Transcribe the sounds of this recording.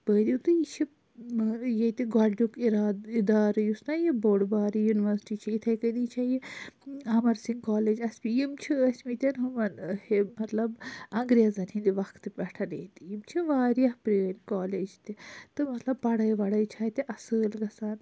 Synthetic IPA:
pəːd̪it̪ɨjit͡ʃʰi | jet̪iɡɐlɖukiɾaːd̪id̪aːɾɐjusnajiboːɽbaːɾijuniʋɐɾsʈit͡ʃʰɐit̪ʰɐjkɐnit͡ʃʰaji | ɐmɐɾsiŋɡkaːleːd͡ʒɐsʲpijimt͡ʃʰiɐsʲmit̪ʲɐnɦumɐnhemɐt̪lɐbɐ̃ŋɡɾʲazɐnhĩnd̪iʋɐkʰt̪ɨpʲɐʈʰɐneːt̪ijimt͡ʃʰiʋaːɾjɐhpɾiːnkaːleːd͡ʒt̪it̪ɨmɐt̪lɐbpːɐɽɐjʋɐɽɐjt͡ʃʰaːt̪iʔɐsɨːlɡɐsaːn

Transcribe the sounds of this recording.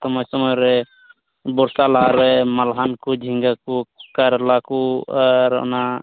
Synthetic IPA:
t̪ɔmɔjsəmɔjɾɛ | bɔɾsalaɾɛməlɦankud͡ʒʱiŋɡakukaɾlakuɾɔ̰na

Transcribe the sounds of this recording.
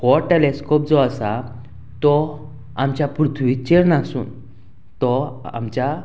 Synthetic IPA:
hɔʈeleskɔp̚d͡zɔasa | t̪ɔ | amt͡ɕjapɾut̪ʰʋit͡ɕeɾnasṵːn | t̪ɔa̰mt͡ɕja

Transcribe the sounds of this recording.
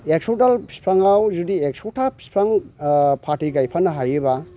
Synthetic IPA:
ek̚sɔdalspʰɾaŋawzudiek̚sɔtʰap̚spʰɾaŋpʰaɾtiɡajpʰanːɐɦajiba

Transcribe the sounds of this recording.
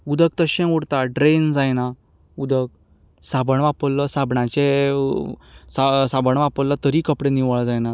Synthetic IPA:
ud̪əɡ̚t̪əɕẽuɽt̪aɖɾend͡zajna | ud̪əɡ̚ | sabəɳʋapəlːəsabɳãt͡ɕe | sasabəɳʋapəlːət̪əɾikəpɽeniʋəɭd͡zajna

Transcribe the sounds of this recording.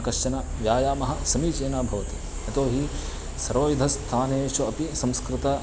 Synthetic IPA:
kɐʃɐnɐʋjaːjaːmɐɦɐsɐmiːt͡ʃeːnaːbʱɐʋɐt̪ḭ | ɐt̪oːɦi | sɐɾoːjud̪ʱɐst̪ʰaːneːt͡ʃuɐpisɐ̃mskɾɪt̪ɐ

